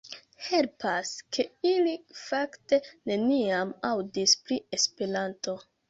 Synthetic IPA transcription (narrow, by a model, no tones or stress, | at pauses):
he̞lpaskʰe̞ilifakte̞ne̞niamawdispɾie̞speɾanto̞